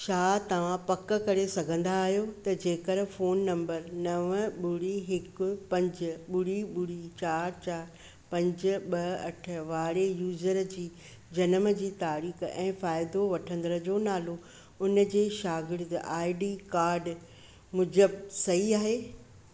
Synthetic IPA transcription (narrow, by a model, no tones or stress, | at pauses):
ʃaːt̪ɐʋ̤ãpɐkə̆kɐɾesɐɡʱə̃nd̪aːɦjot̪ɐd͡ʑeːkəɾfoːnːɐ̃mbəɾnɐʋɓʊɽiɦɪkʊ̆pɐ̃ɲd͡ʑʊɓʊɽiɓʊɽit͡ɕaːɾt͡ɕaːɾ | pɐ̃ɲd͡ʑʊ̆ɓɐɐʈʰə̆ʋaːɽejuːzəɾd͡ʑiː | d͡ʑɐnəmə̆d͡ʑiːt̪aːɾiːxɛ̃ːfaːɪd̪oʋɐʈʰə̃nd̪ələd͡ʑoːnaːlo | ʊnə̆d͡ʑeːʃaːɡɪɾt̪ʔaːɪɖiːkaːɾɖ | mʊd͡ʑəbsɐɦiaːɦeː